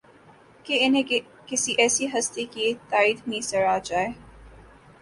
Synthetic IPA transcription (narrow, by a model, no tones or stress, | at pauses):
keɪnẽ | kɪsiʔɛːsiɦɐst̪ekit̪aːiːd̪mĩsɐɾaːd͡ʒaːeː